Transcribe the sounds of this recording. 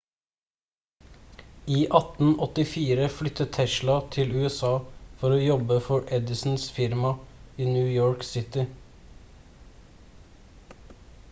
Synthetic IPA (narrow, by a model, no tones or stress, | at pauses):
iːʔɑt̪n̩ɔt̪ɪfiːɾəflʏt̪ət̪ʰɛʃlɑt̪ʰɪlʉːɛsɑːfɔɾoːjɔbəfɔɹʔɛd̪ɪsn̩sfɪɾmɑiːnjʉːjoːɹksɪt̪ɪ